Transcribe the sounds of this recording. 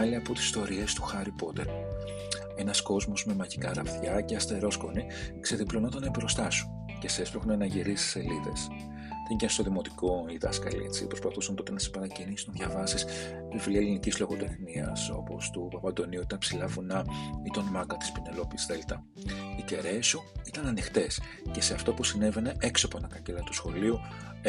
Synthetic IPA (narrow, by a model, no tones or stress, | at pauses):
ɐliɐpot̪isi̥st̪o̞ɾie̞st̪u̥xɐɾipo̞t̪e̞̰ɾ | e̞nɐsko̞zmo̞zme̞mɐʝikɐɾɐfθçɐceɐst̪e̞ɾo̞sko̞ni | kse̞ðiplonot̪ɐnebɾost̪ɐsun | cesespexunɐnɐʝiɾist̪i̥se̞liðe̞̰s | ðenɟɐnst̪oðimo̞t̪i̥ko̞iðɐ̰skɐ̰lḭt͡sipɾospɐθusɐnt̪ot̪enɐsepɐɾɐcinisunðʝɐvɐsis | ivliɐlinicizlo̞ɣot̪e̞xniɐ̰so̞po̞̰st̪upɐpɐnd̪o̞niuit̪ɐpsilɐvunɐit̪onmɐkɐt̪i̥spine̞lo̞piisðelt̪ɐ | it̪e̞ɾe̞suit̪ɐnɐnixt̪e̞s | ce̞se̞ɐft̪o̞pusine̞ve̞ne̞ʔeksoponɐkɐcelɐt̪usxo̞liu